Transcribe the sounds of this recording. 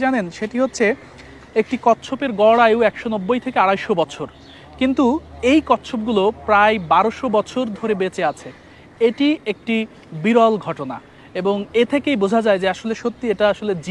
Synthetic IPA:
anenʃeʈiɦotːɕʰe | ek̚ʈikɔtːɕʰopeɾɡɔɽaewɛkʃonɔbːojt̪ʰekeaɽajʃobɔt͡ɕʰoɾ | kint̪uejkɔtːɕʰop̚ɡulopɾaebaɾoʃobɔt͡ɕʰoɾd̪ʱoɾebet͡ɕeat͡ɕʰe | eʈiek̚ʈi | biɾɔlɡʱɔʈona̰ | eboŋet̪ʰekejbod͡ʑʱad͡ʑaed͡ʑeaʃoleʃot̪ːieʈaaʃoled͡ʑ

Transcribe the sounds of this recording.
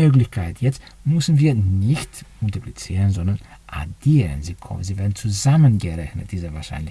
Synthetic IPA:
øːklɪçkʰaɪtjɛt͡st | mʏsn̩viːɐnɪçtʊntiplit͡siːʁənzɔndɐn | ʔa̰diːʁə̰nziːkʰɔ̰ziːvɛːɐdn̩t͡suzamənɡəʁɛçnət̚d̥iːzəvaːɐʃa̰ɪnlɪ

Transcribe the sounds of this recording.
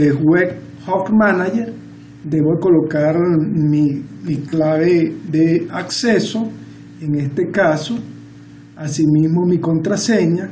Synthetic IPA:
ewek | hokmanaʝeɾ | d̪eβoðeko̞lokaɾmimiklaβeðeakseso | eŋest̪ekaso | asimizmo̞mikont̪ɾaseɲa

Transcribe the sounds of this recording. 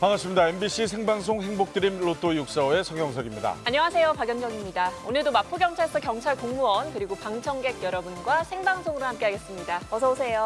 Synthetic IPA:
paŋas͈ʰɯmɲidaenbiɕ͈ʰisʰe̞ŋbaŋs̬ʰoŋɦe̞ŋbok̚t͈ɯɾimɾotʰojuk̚s͈ʌe̞sʰʌŋɡjʌŋsʰʌɡimɲida̰aɲʌŋasʰe̞jopaɡjʌnd͡ʑʌŋimɲidaonɯɭdomapʰuɡjʌŋt͡ɕʰaɭs͈ʰʌkjʌŋt͡ɕʰaɭkoŋmuʌnkɯɾiɡopaŋt͡ɕʰʌŋɡe̞ɡ̚jʌɾʌbunɡwasʰe̞ŋbaŋsʰoŋɯɾohamk͈e̞ɦaɡe̞s͈ɯmɲidapʌsʰʌosʰe̞jo

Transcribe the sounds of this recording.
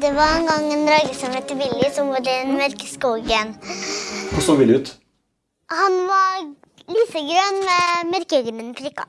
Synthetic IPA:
d̪ɛʋɑɾɛnɡɑŋɛnd̪ɾɑːɡəsɔmʋɛt̪ːəbɪlːɪsɔʋuːd̪ənmæɾkəskuːɡən | ʋʊsoːʋɪld̪ʉːt̪ | hɑnʋɑ | liːfəɡɾœnːmɛmɛɾkəɡ̪əmənfɾɪkːɑ̰

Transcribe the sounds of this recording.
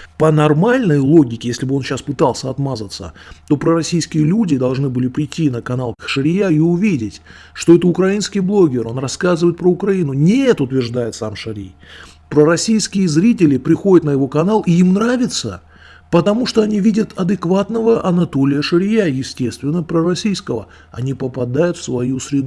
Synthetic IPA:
pənɐrmalʲnəjlˠo̞ɡʲɪkʲɪjesʲlʲɪbɨo̞nɕaspɨt̪ɑlˠsʲəɐt̪mazət̪sə̰t̪o̞pɾəɾɐsʲijskʲɪjəlʲudʲɪd̪ɐlˠʐnɨbɨlʲɪpɾʲɪtʲːinəkɐnalˠkʂɨɾʲɪjaiʊvʲidʲɪtʲ | ʂt̪o̞ɛt̪əʊkɾɐinskʲɪjblˠo̞ɡʲɪro̞nrɐskazɨvəjɪt̪pɾəʊkɾɐinʊnʲɪɛt̪ʊt̪vʲɪrʐd̪ajɪt̪samʂɐɾʲḭj | pɾəɾɐsʲijskʲɪjəzɾʲit̬ʲɪlʲɪpɾʲɪxo̞dʲət̪nəjɪvo̞kɐnalˠɪimnɾavʲɪt̪sə | pət̪ɐmuʂt̪oɐnʲivʲidʲət̪ʰɐd̪ɨkvat̪nəvəʔɐnɐt̪o̞lʲɪjəʂɨɾʲɪjajɪsʲtʲe̞st̪vʲɪnːəpɾərɐsʲijskəvə̰ | ɐ̰nʲipəpɐd̪ajʊt̪fsvɐjusɾʲɪd̪

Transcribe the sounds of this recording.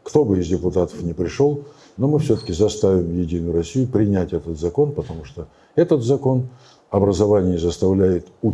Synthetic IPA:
kt̪o̞bɨɪzdʲɪpʊt̪at̪ə̥fnʲɪpɾʲɪʂolˠ | no̞mɨfsʲɵt̪ə̥kʲɪzɐst̪avʲɪmjɪdʲinʊjʊɾɐsʲijʊpɾʲɪnʲætʲɛt̪ət̪zɐko̞npət̪ɐmuʂt̪o | ɛt̪ət̪zɐko̞n | ɐbɾəzɐvanʲɪjəzəst̪ɐvlʲæjɪt̪ʊ

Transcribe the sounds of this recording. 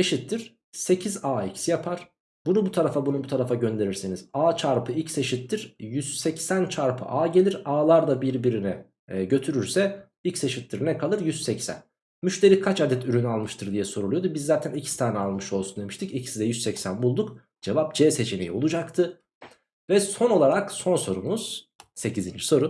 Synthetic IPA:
se̞ʃit̪ːiɾ̥ | se̞cʰizaːicʰsijapʰaɾ̥ | bunubut̪ʰaɾafabunubut̪ʰaɾafaɟø̞nd̪e̞ɾiɾsiniz̥aːt͡ʃʰaɾpʰɯilcseʃit̪ːiɾ̥jyz̥sɛcsænt͡ʃʰaɾpʰɯ̰ʔaːɟe̞lʲiɾaːlˠaɾd̪abiɾbiɾinɛ | ɟø̞t̪ʰyɾyɾsɛ | ilʲcse̞ʃit̪ːiɾnɛkʰalˠɯɾjyzsɛcsæ̰n | myʃt̪e̞ɾikʰat͡ʃad̪ɛt̪ʰyɾynyalˠmɯʃt̪ʰɯɾd̪ijɛso̞ɾulˠujo̞d̪ubizːaːt̪ʰænicʰi̥st̪ʰaːnɛalˠmɯʃo̞lˠsund̪e̞miʃt̪ʰɯcicʰisizd̪ɛjyzsɛcsænbulˠd̪uk | d͡ʒe̞vap̚d͡ʒɛːse̞t͡ʃʰinejio̞lˠud͡ʒakt̪ʰɯ | vɛso̞no̞lˠaɾakso̞nso̞ɾumuz̥ | se̞cʰizind͡ʒiso̞ɾu

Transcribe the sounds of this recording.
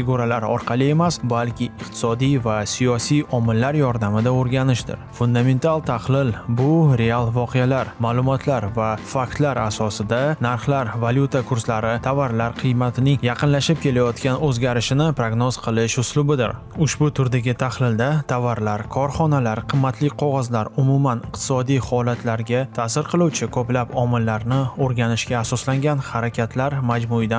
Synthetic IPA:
fɪɡuɾalaɾɒ̰ɾqʰɑlˠɪe̞masbalkʲʰɪɪqt̪ʰɪ̥sɒd̪ijvasijɒsijɒmɪlːaɾjɒɾd̪amɪd̪aoɾɡʲanɪʃd̪ɪ̰ɾfʊnd̪ame̞nt̪ʰalˠt̪ʰaχlɪlbʊɾe̞alˠvɒqʰejalaɾmaːlˠʊmɒt̪ʰlaɾvafak̚t̪laɾasɒsɪd̪anaɾχlaɾvalʲjut̪ʰakʰʊɾslaɾɪt̪ʰavaɾlaɾqʰɨjmat̪ʰɪnɪŋjɑqɨnlaʃɪp̚kʲe̞lajɒt̪kʲanɵzɡʲaɾɪʃɪnɪpɾoɡnoz̥qʰɨlˠɪʃʊslʊbɪd̪ɪ̰ɾ | ʊʃbʊt̪ʰʊɾd̪aɡʲɪt̪ʰahlɪld̪at̪ʰavːaɾlaɾkʰɒɾχɒnalaɾqʰɨmːat̪ʰlɪqʰɒʁɒzlaɾʊmʊmanɪqt̪ʰɪ̥sɒd̪ijhɒlat̪ʰlaɾɡʲat̪ʰaːsɪɾqʰɨlˠuwt͡ʃʰɪkʰoplapɒmɪlːaɾnɪoɾɡʲanɪʃɡʲaːsɒslaŋɡʲanhaɾakʲʰat̪ʰlaɾmad͡ʒmʊɪd̪a

